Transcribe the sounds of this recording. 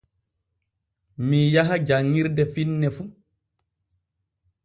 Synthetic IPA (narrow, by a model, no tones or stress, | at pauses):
mijaɦad͡ʒaŋːiɾdɛfinːɛfu